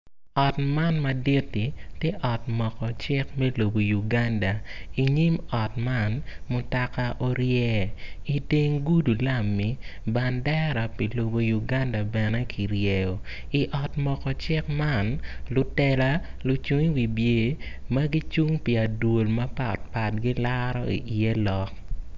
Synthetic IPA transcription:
ɔ˨tma˦nma˨di˦tːi˨tjɛ˦ʔɔ˨tmɔ˨kɔ˨t͡ʃɪ˦kmɛ˦lo˨bo˨ju˨ɡa˦nda˨i˨ɲi˦mɔ˨tma˦˨nmʊ˨ta˨ka˦ʔo˦ɾjɛ˦i˨te˦ŋɡu˦du˨la˦˨mːi˨ba˨ndɛ˦ɾa˨pi˨lo˨bo˨ju˨ɡa˦nda˨bɛ˨nɛ˦kʰi˨ɾje˨jo˨ | i˨ʔɔ˨tmɔ˨kɔ˨t͡ʃɪ˦kma˦˨nlʊ˨tɛ˨la˦lu˨t͡ʃu˦ŋi˦wi˨bje˨˦mɐ˦ɡi˦t͡ʃu˦ŋpi˨a˨dwo˨lmɐ˦pa˨tpa˨t̚ɡi˦la˦ɾɔ˦ḭ˨ʔi˨e˦lɔ˨k̚

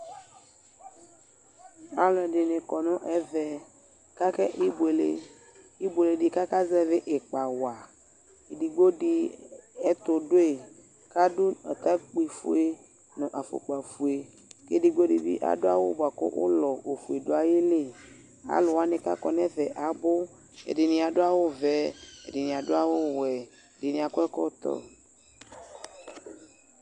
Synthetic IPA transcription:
a˨lɔ˨ɛ˨ɖɪ˨nɪ̃˨kɔ˨nɔ̃˦ʔɛ˦vɛ˨ | ka˦kɛ˦ʔi˦be˨le˨ | i˦be˨le˨ɖɪ˨ka˦ka˦zɛ˦vɪ˦ʔe˨k͡pa˨wa˨ | e˨di˨ɡ͡bo˦ɖi˦ɛ˦t̪ʊ˨ɖo˦e˨ | ka˦dʊ˦ɛ˨t̪a˦k͡pi˨fṵ˦e˦ | nɔ̃˨ʔa˨fo̰˨k͡pa˨fu˨e˨ | ke˦di˨ɡ͡bo˦ɖi˨bḭ˦ʔa̰˨do˦a̰˦wo̰˦bo˨a˨kɔ̰˦ʔo̰˦lɔ˨o˨fu˨e˨do˦a˨je˦le˦˨ | a̰˨lʊ˨wa˦nẽ˨ka˦kɔ˨nɛ̃˦vɛ˨ʔa˨bo˦ | ḛ˨di˨nĩ˨a˨ɖo˦a˦wo˦vɛ˦ḛ˨di˨nĩ˨a˨do˦a˦wo˦wɛ˨ | de˨nĩ˨a˨ko˦ɛ˦kɔ˦t̪ɔ̰˦

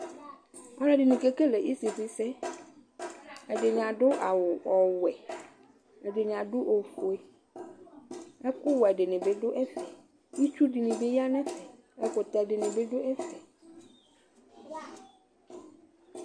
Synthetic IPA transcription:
ɔ˦nɛ̃˦˨dɪ˨nĩ˨ke˦ke˦lɛ˨ʔi˦sɪ˨fɪ˨sɛ˦ | ɛ˨dɪ˨ɲ˨ã˨dʊ˦ʔa˨wʊ˨ʔɔ˨wɛ˨ | ɛ˨dɪ˨ɲ˨ã˨dʊ˦ʔo˨fo˨e˦ | ɛ˦kʊ˦wɛ˨dɪ˨nɪ̃˨bɪ˦dʊ˦ʔɛ˦fɛ˨ | i˦t͡ʃᶣu˦dɪ˨nɪ̃˨bɪ˦ja˦nɛ̃˦sɛ˨ | ɛ˦kʊ˨t̪a˨dɪ˨nɪ̃˨bɪ˦dʊ˦ʔɛ˦fɛ˨

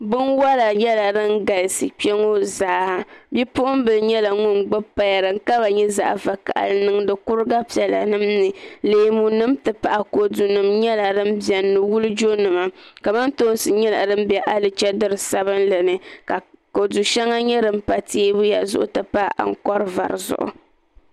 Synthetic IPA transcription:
bɨ˦nwa˦la˨jɛ˦la˨ɾɨ˦ŋ˦ɡa˨lsi˨k͡pɛ˦ŋo˦zaː˨˦bi˦pʊ˦ʔʊ˦m˦bɨ˨ɲɛ˦la˨ŋʊ˦nɡ͡bɨ˦pːa˦ja˨ɾɨ˨ŋ˨ka˦ba˨ɲɛ˦za̰˨ʔva˨ka̰˨ʔa̰˨lɨ˦nɨ˦ŋ˦dɨ˨kʊ˦ɾɨ˦ɡa˦pi˨ɛ˨la̰˨nɨ˦mnɨ˨leː˨mu˨nɨ˦mtɨ˨pa˨ʔa˨ko˨du˨nɨ˨mɲɛ˦la˨dɨ˦m˦bjɛ˨nːɨ˨wu˦lɨ˦d͡ʒo˦nɨ˨ma˨ka˨ma˦nto˦nsɨ˨ɲɛ˦la̰˨dɨ˦m̩˦bɛ˨ʔa˦lɨ˨t͡ʃɛ˦dɨ˦ɾɨ˨sa˦βɨ˦nlɨ˨nɨ˨ka˨ko˨du˨ʃɛ˦ŋa˦ɲɛ˦dɨ˨m̩˦pa˨teː˦bʊ˦ja̰˨zʊ̰˦ʔʊ̰˦tɨ˨pa˦ʔa̰˨ŋ̩˨kɔ˦ɾɨ˦va̰˨ɾɨ˨zʊ̰˨ʔʊ̰˨

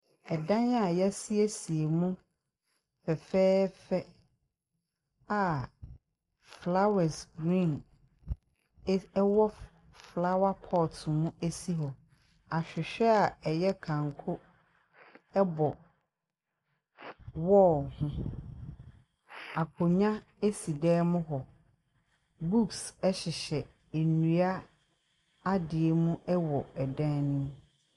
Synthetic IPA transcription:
ɛ˨dã˦ɲa˨jɛ˦si˦æ˦si˨e˨mũ˦ | fɛ˨fɛː˦fɛ˦ | a˨ | fla˦wɛ˨sɡɾĩ˦˨n˦ | wɔ˦ | fla˦wa˦pʰɔ˦˨tʰʊ˨mũ˦e˦si˦ɦɔ˨ | a˨ɕᶣɪ˨ɕᶣɛ˦a˨ɛ˨jɛ˦kʰã˨ŋ˨kʰʊ˦ | ɛ˦bɔ˨ | wɔ˦˨hʊ̃˦ | a˨kʰo˨ɲã˦ | e˦si˨dɛː˦mʊ̃˦ɦɔ˨ | bu˦ksɛ˦ɕɪ˨ɕɛ˨ | e˨nũ˨a˦ | a˦dɪ˨e˦mũ˦ɛ˦wɔ˨ɛ˨dã˦nʊ̃˦m˦

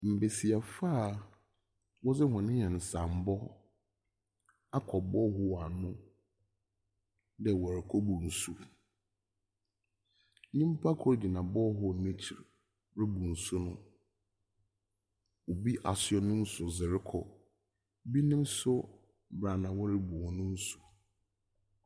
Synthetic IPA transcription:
m̩˨be˨si˨a˨fa˦˨ | wɔ˦zɪ˦hɔ̃˨nɪ̃˦ɲɛ̃˨n̩˨sã˨m̩˨bɔ˦ | a˦kʰɔ˨bɔ˦ɦʊ˦˨a˨nʊ̃˦ | dɛ˨wɔ˨ɾɪ˨kʰɔ˦bu˨n̩˨su˦ | nĩ˦m̩˦pʰa˦kʰɔ˦ɾdi˨nã˨bɔ˦ɦʊ˦˨nĩ˦t͡ɕʰi˨ɾ | ɾɪ˦bu˨n̩˨sʊ˦nʊ̃˦ | o˨bi˦ʔa˨sɪ˨ɔ˨nʊ̃˦n̩˦sʊ˨zɪ˨ɾɪ˦kʰɔ˨ | bi˦nɪ̃˦m˦sʊ˦ | bɾa˨nã˨wɔ˦ɾɪ˦bʊ˨hɔ̃˨nʊ̃˦n̩˦su̥˨

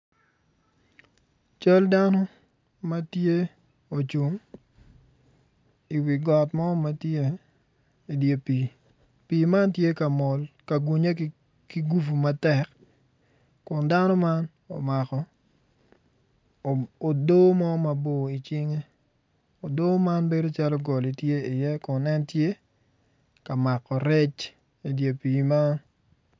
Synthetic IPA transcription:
t͡ʃa˦lda˦nɔ˦ | ma˦tje˦ | o˨t͡ʃu˨ŋ | i˨wi˨ɡɔ˨tmɔ˦ma˦tje˦ | i˨dje˨pi˨ | piː˨ma˦ntje˦ka˨mɔ˨lka˨ɡu˨ɲe˦ | ki˨ɡu˦fu˨ma˨tɛ˨k | kʊ˨nda˦nɔ˦ma˦n | o̰˨ma˨kɔ˨ | o˨doː˦mɔ˦ma˨bo˨i˨t͡ʃɪ˦ŋe˦ | o˨do˦ma˦nbe˦do˦t͡ʃa˦lɔ˦ɡɔ˨li˨tje˦ɪ˨jɛ˦kʊ˨nɛ˦ntje˦ | ka˨ma˨kɔ˨ɾɛ˦t͡ʃ | i˨dje˨pi˨ma˦n

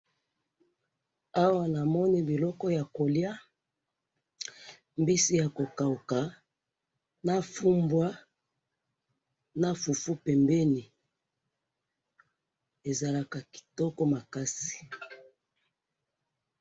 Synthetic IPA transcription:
a˦wa˦na˨mɔ˦ni˦bi˨lɔ˦kɔ˦ja˨ko˨lja˦ | mbi˦si˦ja˨ko˨ka˨u˨ka˨ | na˦fu˦mbwa˦ | na˦fu˨fu˦pɛ˨mbɛ˦ni˨ | e˨za˨la˨ka˨ki̥˨tɔ˦kɔ˦ma˨ka˦si̥˨

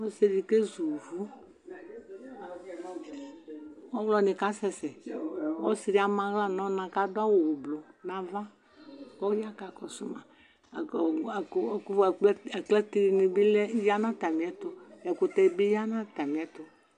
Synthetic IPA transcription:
ɔ˦se˨ɾi˨ke˦zu˨vu˦ | ɔ˦wlɔ˨nĩ˨ka˦sɛ˨sɛ˨ɔ˦si˨ɾi˦a˨mã˨ɣla˦nɔ̃˦nã˨ka˦dʊ˦a˦wo˨wo˨blo˨nã˨va˦ | kɔ˦a˦ka˨kɔ˨sʊ˦mã˨ | kɛ˨k͡plɛ˦t̪i˦ɾi˨nĩ˨bi˦lɛ˦ja˦nã˦t̪a˨mĩ˨ɛ˦t̪o˦ɛ˨kʊ˨t̪ɛ˨i˨be˦ja˦nã˦t̪a˨mĩ˨ɛ˦t̪ʊ˨

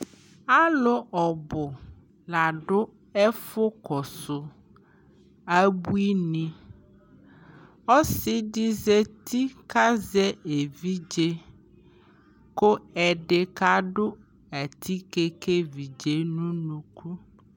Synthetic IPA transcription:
a˦lʊ˦ʔɔ˨bʊ˨ | la˨ɖʊ˦ | ɛ˦fʊ˦kɔ˨sʊ˨ | a˦bu˦i˦nĩ˦ | ɔ˦sɪ˦di˦ze˦t̪ʰi˦ka˦zɛ˦e˨vi˦d͡ʒe˦ | ko˦ɛ˨ɖe˨ka˦ɖʊ˦ | a˨t̪ʰi˦ke˦ke˦vi˨d͡ʒe˨nũ˦nũ˨ku˦

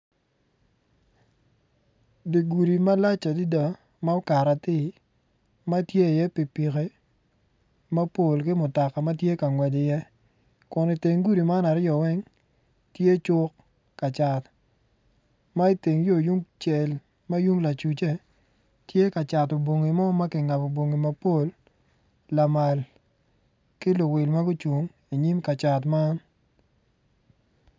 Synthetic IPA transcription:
di˨ɡu˨ɾi˨ma˦la˦t͡ʃa˨di˦da˨ | ma˦o˦ka˨ɾa˨tɪ˦˨ | ma˦tje˦˨jɛ˦pi˨pi˨ke˦ | ma˦po˨lkɪ˦mʊ˨ta˨ka˨ma˦tje˦ka˨ŋwɛ˨d͡ʒɪ˨jɛ˦ | kʊ˨nɪ˨te˨ŋɡu˦ɾi˨ma˦na˨ɾjɔ˨wɛ˦ŋ | tje˦t͡ʃʊ˦kː | a˨t͡ʃa˨t | ma˦i˦te˨ŋjo˦˨ju˦ŋt͡ʃɛ˨l | ma˦ju˦ŋla˨t͡ʃu˨t͡ʃe˦ | tje˦ka˨t͡ʃa˨to˨bo˨ŋi˨mɔ˦ma˦kɪ˨ŋa˨po˨bo˨ŋi˨ma˦po˦˨lː | a˨ma˨l | kɪ˦lʊ˨wɪ˨lma˦ɡʊ˦t͡ʃu˨ŋ | i˨ɲi˦mka˨t͡ʃa˨tma˦n

